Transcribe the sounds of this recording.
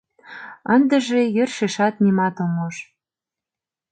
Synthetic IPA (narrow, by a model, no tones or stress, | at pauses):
ənd̪ə̆ʒejørʃeʃɑt̪̚nimɑt̪omoʃ